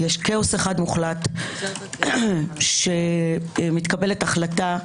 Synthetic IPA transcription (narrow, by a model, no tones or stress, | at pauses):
jeʃkeoseχad̪muχlat̪ | ʃemit̪kabe̞letaχlata